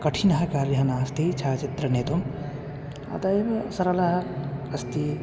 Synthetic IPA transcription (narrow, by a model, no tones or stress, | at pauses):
kɐʈʰinɐɦɐkaːɾiɦɐnaːst̪ʰit͡ʃʰaːt͡ʃit̪ɾɐneːt̪um | ɐ̰t̪ɐebesɐɾɐlɐɦɐɐst̪i